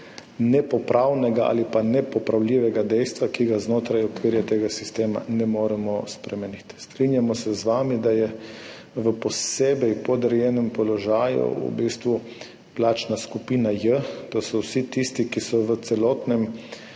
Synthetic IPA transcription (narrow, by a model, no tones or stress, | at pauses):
nɛpɔpɾʔawnɛɡaʔa̰lipanɛpɔpɾawlʲiːʋɛɡad̪ɛjst̪ʋakiɡaznoːt̪ɾajɔkʋiːɾjɛt̪eːɡasist̪eːma̰nɛmoːɾɛmɔspɾɛmɛnit̪st̪ɾinjamɔsɛzʋaːmid̪ajɛ | ʋəpɔseːbɛjpɔd̪ɾɛjɛːnɛmpɔlɔʒaːjṵṵbist̪ʋu | plaːt͡ʃnaskupiːnajət̪osɔwsit̪ist̪ikisɔʋət̪sɛlɔːt̪nɛm